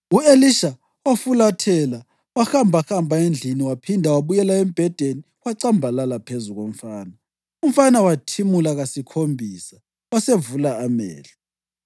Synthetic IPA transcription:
ueliʃa | ofulatʰɛla | waxambʱaxambʱaend͡ɮʱiniwapʰindʱawaβujɛlaem̩b̥ʱɛd̥ʱeni | waǀambʱalalapʰezuɣom̩faːna | um̩fanawatʰimulaɣasikʰombʱiːsa | wasevulaːmɛ̰ːɬa

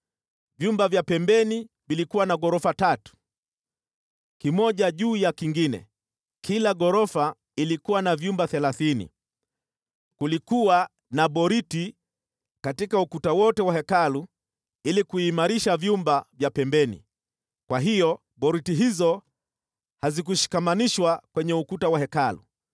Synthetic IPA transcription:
vjumbavjapɛmbɛni | vilikuwanaɡɔɾɔfatatu̥ | kimɔʄaʄuːjakiŋɡinɛ̰ | kʰilaɠɔɾɔfa | ilikuwanavjumbaθɛlaθinḭ | kulikuwa | naɓɔɾiti | katikaukutawɔtɛwahɛkalu | ilikuiːmaɾiʃavjumbavjapɛmbɛnḭ | kwaɦijɔ | ɓɔɾitiɦizɔ | hazik̬uʃi̥kamaniʃwakwɛɲɛukutawahɛkalṵ

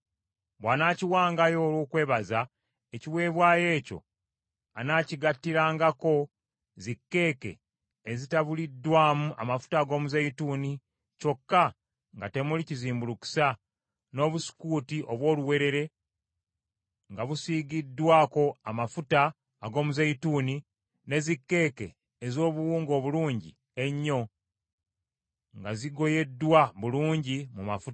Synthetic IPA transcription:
βwaːnaːciwaːŋɡajo̞ːlwuːkwe̞ːβaza | eciwe̞ːβwaːje̞ːco̞̰ | anaːciɡatːiɾaːŋɡako̞ | zikːe̞ːke̞̰ | ezitaβulidːwaːmuʔa̰mafu̥taːɡo̞ːmuzejituːni | co̞kːa | ŋɡate̞muliciziːmbuluku̥sa | no̞ːβusi̥kuːtiʔo̞βwo̞ːluwe̞ɾe̞ɾe̞ | ŋɡaβusiːɡidːwaːko̞amafutaː | ɡo̞ːmuzajituːni | ne̞zikːe̞ːke̞̰ː | zo̞ːβuwuːŋɡo̞ːβuluːɲɟi | e̞ɲːo̞ | ŋɡaziɡo̞je̞dːwaβuluːɲɟimumafut

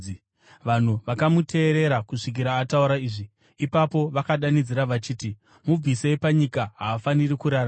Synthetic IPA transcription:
ʋan̤uʋakamutʰe̞ːɾe̞ɾakuʂik̬iɾaːtauɾaiːʐi | ipapo̞ʋakaɗanid͡ziɾaʋat͡ʃiːti | mub͡visepaɲikaɦaːfanirikuɾara

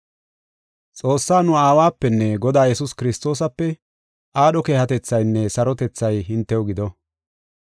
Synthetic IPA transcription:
t͡sʼo̞ːsːaːnʊaːwaːpːɛnːɛɡɔd̪aːjɛsʊskɪɾɪst̪o̞ːs̬ɐpːɛ | ʔaːɗɔkeːhɐt̪ɛt͡sːɐjnːɛsɐɾɔt̪ɛt͡sːɐjɦɪnt̪ːɛwɡɪd̪ɔ

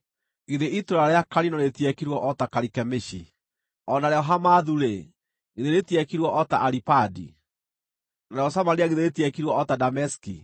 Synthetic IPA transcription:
ɣeðeʔitoɾaɾeakaɾinɔɾetjɛkiɾwɔʔɔtakaɾikɛmeʃi | ɔnaɾɛɔɦamaðuɾe | ɣeðeɾetiɛkiɾwɔʔɔtaʔaɾipadḭ | naɾɛɔsamaɾiaɣeðeɾetiɛkiɾwɔɔtadamɛski

